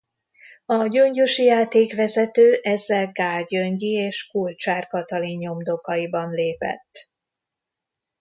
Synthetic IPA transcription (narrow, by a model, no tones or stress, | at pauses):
ɒɟøɲɟoʃijaːt̪eːkʋɛzɛt̪øːʔɛzːɛlɡaːɟø̞ɲɟieːʃkult͡ʃaːrkɒt̪ɒliɲɲo̞md̪o̞kɒjibɒnleːpɛ̰t̪ː